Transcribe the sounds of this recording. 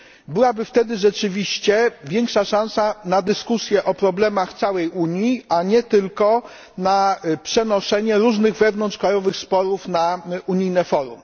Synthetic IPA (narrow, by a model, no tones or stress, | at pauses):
bɘwabɘft̪ɛd̪ɘʐɛt͡ʂɘvʲiɕt͡ɕɛvʲjɛŋkʂaʂãñsanad̪ɘskusʲjɛʔɔpɾɔblɛmaxt̪sawɛjuɲjiaɲɛt̪ɘlkɔ | napʂɛnɔʂɛɲɛɾuʐnɘɣvɛvn̪ɔnt̪t͡ʂʂkɾajɔvɘxspɔɾufnauɲijnɛfɔɾum